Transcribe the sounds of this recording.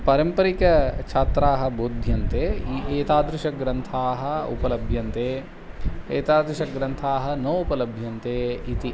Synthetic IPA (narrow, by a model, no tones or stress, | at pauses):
pɐɾɐmpɐɾikɐt͡ʃʰaːt̪ɾaːɦɐ̆boːd̪ʱjɐnt̪eːiʔeːt̪aːd̪ɾuʃɐɡɾɐnt̪ʰaːɦɐ̆ṵpɐlɐbʱjɐnt̪eː | eːt̪aːd̪ɾuʃɐɡɾɐnt̪ʰaːɦɐ̆nɐʋupɐlɐbʱjɐnt̪eːit̪i